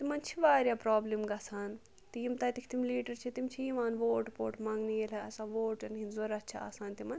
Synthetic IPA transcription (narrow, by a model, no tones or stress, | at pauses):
t̪imɐnt͡ʃʰiʋaːɾjapɾaːblimɡɐsaːn | t̪ijimt̪ɐt̪ikʰt̪imliːʈɐɾt͡ʃʰit̪imt͡ʃʰijimaːnʋoːʈpoːʈmaŋɡnijelɐɐsaːʋoːʈɐnɦinzoɾɐt͡ʃʰia̰ːsaːnt̪imɐn